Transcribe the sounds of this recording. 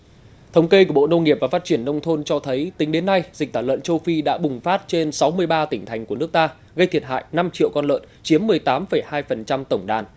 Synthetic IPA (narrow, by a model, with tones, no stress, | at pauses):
t̪ʰə˨˦wŋ͡mke˧ku˧˩əɓo̰˧˨nə˧ŋi˨˩əp̚vaː˨˩faː˦˥t̚t͡ɕi˧˩ənːə˧wŋ͡mt̪ʰo˧nt͡ɕɔ˧t̪ʰə˨˦jt̪ï˨˦ŋ̟ɗe˨˦nːa˧jzi˨˩t̪ʰaː˧˩wə̰˧˨nt͡ɕə˧wfi˧ɗa̰ː˧˥ɓʊ˨˩ŋ͡mfaː˦˥t̚t͡ɕe˧nsa˨˦wmɨ˧əjɓaː˧t̪ï˧˩ŋ̟t̪ʰa˨˩jŋ̟ku˧˩ən˦˥ək̚t̪aː˧ | ɣə˧jt̪ʰi˨˩ət̚ɦa̰ː˧˨jna˧mt͡ɕḭ˧˨əwkɔ˧nlə̰ː˧˨nt͡ɕi˨˦əmːɨ˨˩əjt̪aː˨˦mfə˨˩jhaː˧jfə˨˩nt͡ɕa˧mt̪ə˧˩wŋ͡mɗaː˨˩n